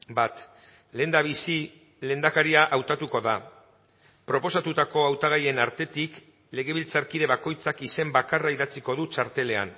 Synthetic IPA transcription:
bat̪ | le̞nd̪aβisi | le̞nd̪akaɾiaʔawt̪at̪uko̞ða | pɾo̞po̞sat̪ut̪ako̞awt̪aɣ̞aje̞naɾt̪e̞t̪ik | le̞ɣ̞e̞βilt͡saɾkiðe̞βako̞jt͡sakise̞mbakaraiðat͡siko̞ðut͡ʃaɾt̪e̞le̞a̰n

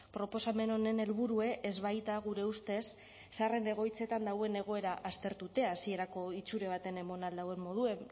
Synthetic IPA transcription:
pɾo̞po̞same̞no̞ne̞ne̞lβuɾue̞ʔezβajt̪aɣ̞uɾe̞ust̪e̞sː | are̞ne̞ɣ̞o̞jt͡se̞t̪and̪awe̞ne̞ɣ̞o̞e̞ɾaʔast̪e̞ɾt̪ut̪e̞asie̞ɾako̞it͡suɾe̞β̞at̪e̞ne̞mo̞nald̪awe̞mːo̞ð̞ue̞m

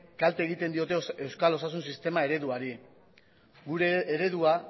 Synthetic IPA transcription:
kalt̪eːɣ̞it̪e̞nd̪io̞t̪e̞e̞wskalo̞sas̬unsist̪e̞mae̞ɾe̞ðuaɾi | ɡuɾe̞ːɾe̞ðua

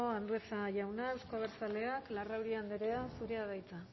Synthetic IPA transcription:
oand̪ue̞t͡saʝawnaewskoaβ̞eɾt͡sale̞aklarawɾiand̪eɾe̞asuɾeað̞ajt͡s̪a

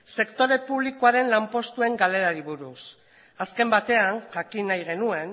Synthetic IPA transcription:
se̞kt̪o̞ɾe̞puβ̞likoaɾe̞nlampo̞st̪ue̞ŋɡale̞ɾaɾiβuɾus | aske̞mbat̪e̞anʝakinajɣ̞e̞nue̞n

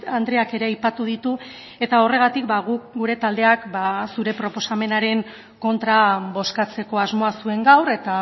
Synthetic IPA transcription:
and̪ɾeake̞ɾe̞ajpat̪uð̞it̪u | e̞t̪ao̞re̞ɣ̞at̪ikbaɣukɡuɾe̞t̪ald̪e̞akbasuɾe̞pɾo̞po̞same̞naɾe̞ŋ | ko̞nt̪ɾaβo̞skat͡se̞ko̞azmo̞asue̞ŋɡawɾe̞t̪a

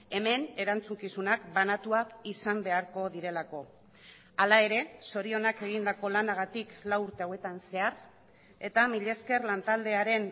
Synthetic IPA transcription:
e̞me̞ne̞ɾant͡suŋkisunakbanat̪uakisambe̞aɾko̞ðiɾe̞lako̞ | alae̞ɾe̞so̞ɾio̞nake̞ɣ̞ind̪ako̞lanaɣ̞at̪iklawuɾt̪e̞awe̞t̪anse̞aɾ | e̞t̪amiʎe̞ske̞rlant̪ald̪e̞aɾe̞n

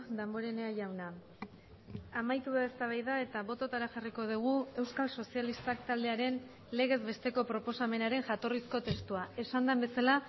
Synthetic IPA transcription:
d̪amboɾene̞aʝawna | amajt̪uðaest̪aβajðae̞t̪aβo̞t̪o̞t̪aɾaxariko̞ðuɣ̞ue̞wskalso̞sialist̪akt̪ald̪e̞aɾe̞n | le̞ɣ̞e̞zβe̞st̪e̞ko̞pɾo̞po̞same̞naɾe̞ŋʝat̪o̞risko̞t̪e̞st̪uae̞sand̪ambe̞sala

